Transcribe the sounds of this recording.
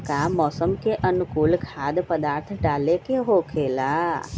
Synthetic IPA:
kamːɔːsəmkeʔənʊkuːlkʰaːd̪pəd̪aːɾt̪ʰɖaːlekeɦoːkʰeːlaː

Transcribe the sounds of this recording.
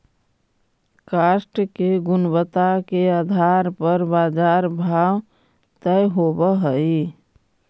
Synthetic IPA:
kaːsʈkeɡʊnbət̪akeaːd̪ʱaɾpəɾbaːd͡ʒaːɾbʱaːw | t̪əjɦobəɦəi

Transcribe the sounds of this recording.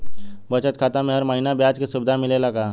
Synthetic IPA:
bət͡ʃət̪̚kʰaːt̪amẽɦəɾməɦinabjat͡ʃkesʊbɪd̪ʱamɪlelaɡaː

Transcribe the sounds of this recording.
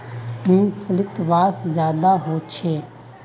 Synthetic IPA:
ĩːpʰəlɪt̪ʋaːszjaːd̪aɦoːt͡ʃʰeː

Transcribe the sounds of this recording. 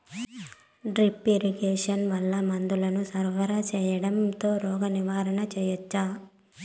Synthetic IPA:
ɖɾipːeɾiɡeːʂɐnʋɐlːɐmɐnd̪ulɐnusɐɾʋɐɾat͡ʃɛːjɐɽɐmt̪o̞ːɾɔːɡɐniʋaːɾɐnɐt͡ʃɛːjɐt͡ʃːaː

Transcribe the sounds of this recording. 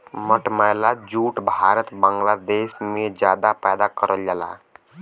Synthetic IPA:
məʈmajlad͡ʒuʈbʱaɾət̪baŋɡlad̪esmed͡ʒad̪apɛjd̪akəɾəljala̰

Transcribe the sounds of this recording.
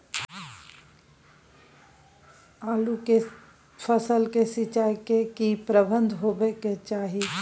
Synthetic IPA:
aːluke | fʰəsəlkesɪt͡ʃaːjkekipɾəbə̃nd̪ʱɦoːbeket͡ʃaːɦie

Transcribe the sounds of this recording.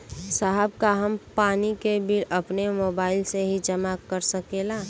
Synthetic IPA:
saɦəb̚kaɦəmpaːnikebʱiɾəpnemoːbaːɪlseɦid͡ʒəmakəɾsəkeːlaː

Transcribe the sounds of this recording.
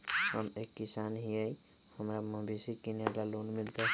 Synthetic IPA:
həmekːisanɦiəj | həmɾaməbʱisikinelalonmilt̪e

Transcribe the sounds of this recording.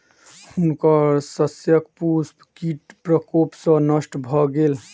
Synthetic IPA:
hunkəɾsəsjəkpuspkiʈpɾəkopsə̃nəsʈbʱɔɡel

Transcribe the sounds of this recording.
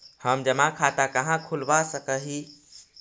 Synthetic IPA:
həmd͡ʒəmãkʰat̪akəɦãkʰulbasəkəɦi

